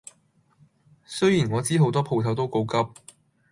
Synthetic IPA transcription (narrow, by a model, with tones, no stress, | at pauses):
sɵ˥jiː˨˩nŋɔː˨˧t͡siː˥ɦo˨˥wt̪ɔː˥pʰo˨˧wt̪ʰɐ˨˧wt̪o˥wko˨˥wkɐ˥p̚